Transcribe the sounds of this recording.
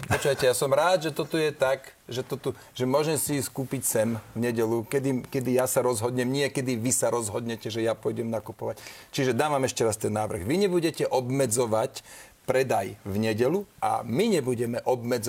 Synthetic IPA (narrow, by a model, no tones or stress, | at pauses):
pɔt͡ʃuʋajcɛjasɔmɾaːd̪ʒɛt̪ɔt̪ujɛt̪aɡ | ʒɛt̪ɔt̪u | ʒ̥ɛmʊɔʒɛmsiskuːpicsɛmvɲɛɟɛlukɛd̪ikɛd̪ijasaɾɔzɦɔd̪ɲɛmɲɪɛkɛd̪iʋisaɾɔzɦɔd̪ɲɛcɛʒɛjapɔjɟɛmnakupɔʋact͡ʃiʒɛd̪aːʋamɛʃcɛɾast̪ɛnːaːʋr̩ɣʋiɲɛbuɟɛcɛʔɔbmɛd͡zɔʋac | pɾɛd̪ajʋɲɛɟɛlua̰miɲɛbuɟɛmɛʔɔbmɛd͡z